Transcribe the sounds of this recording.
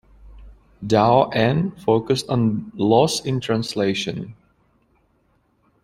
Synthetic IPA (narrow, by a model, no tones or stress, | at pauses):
daʊʔɛ̃nfoʊkəstɔ̃n̩lɔsɪ̃ntʰɹæ̃nsleɪʃə̰̃n